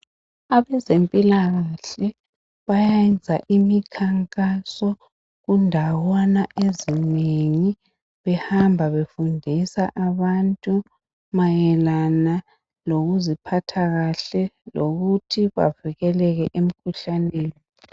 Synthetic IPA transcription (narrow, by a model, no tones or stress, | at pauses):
aβɛzempʼilaɣaɬɛ | βajɛnd͡zʱaʔimikʰaŋkʼasɔ | ɣundʱawɔnaʔezineŋi | βɛhambʱaβefundʱisaʔaβantʼu | majɛlana | loɣuzipʰatʰaɣaɬɛloɣutʰiβa̰viɣɛlɛɣɛʔem̩kʰuɬaneːni